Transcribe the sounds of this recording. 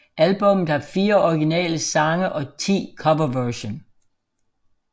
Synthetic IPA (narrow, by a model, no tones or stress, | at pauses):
ʔælb̥ɔ̽mð̩ˠhɑ̈fiːɐɒɡ̥inɛ̰ːləsɑ̈ŋəʔɒ̽t͡sʰḭːkʰɒ̽ʋɐʋæɕon